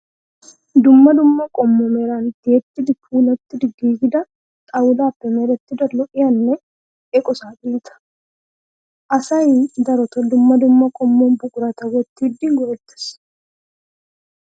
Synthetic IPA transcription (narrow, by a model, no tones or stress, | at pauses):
d̪ʊmːɐd̪ʊmːɐkʼɔmːɔmeɾaːnt̪ɪɛt̪ːɪd̪ɪfʰuːlɐt̪ːɪd̪ɪɡiːɡɪd̪ɐ | t̪ʼɐwʊlaːpːɛmeːɾɐt̪ːɪd̪ɐɾlɔʔɪjɐnːɛ | ʔɛkʼɔsaːdiːnt̪ɐ̥ | ʔɐsɐjid̪ɐɾɔt̪ɔd̪ʊmːɐd̪ʊmːɐkʼɔmːombʊkʼʊɾɐt̪ɐwɔɛt̪ːɪɪd̪ːiːŋɡʊɾɛt̪ːɪ̥s